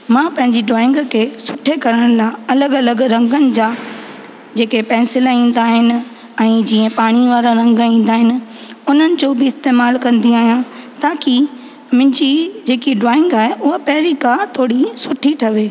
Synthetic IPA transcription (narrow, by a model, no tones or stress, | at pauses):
mãːpɐ̃ɦɪ̃ɲd͡ʑiɖaːɪ̃ŋɡkʰeːsʊʈʰekɐɾəɽ̃laɐləɡɐləɡɾɐ̃ŋɡənɪ̆d͡ʑaː | d͡ʑeːkepɛ̃ːnsɪlaĩːn̆d̪aːɦɪnɪ̆ | ɛ̃ːd͡ʑiːẽpaːɽ̃iʋaːɾaɾɐ̃ŋɡĩːn̆d̪aːɦɪnɪ̆ʊn̤ənɪ̆d͡ʑoːbɪɪst̪eːmaːlkɐ̃nd̪iaːɦijãt̪aːki | mʊ̃ɦɪ̃ɲd͡ʑid͡ʑeːkiɖaːɪ̃ŋɡaːɦeʔʊɦapɐɦɪɾikãːt̪ʰoːɽisʊʈʰiʈʰɐʋeː